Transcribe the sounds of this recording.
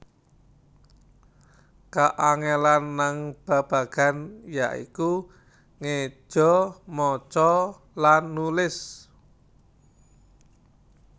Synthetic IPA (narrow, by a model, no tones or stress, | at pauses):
kaʔaŋɛlanːaŋb̥a̤b̥a̤ɡ̥a̤njaʔḭku | ŋe̥ʒ̥ɔ̤mɔt͡ʃɔ | lanːulɪs